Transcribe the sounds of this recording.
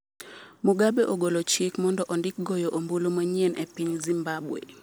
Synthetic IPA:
muɡabeʔoɡolot͡ʃikmɔndɔʔɔndɪk̚ɡojoʔombulomaɲienʔɛpiɲzimbabwḛ

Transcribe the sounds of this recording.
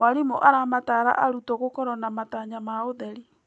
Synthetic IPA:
aɾimoʔaɾamataɾa̰ʔaɾutɔɣokɔɾɔnamataɲamaoðɛɾi

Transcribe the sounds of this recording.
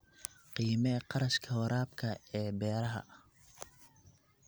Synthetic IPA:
qiːmɛqɑɾɐʃkʰɐhɔɾaːb̚kʰɐɛːbɛːɾɐɦɐ̰

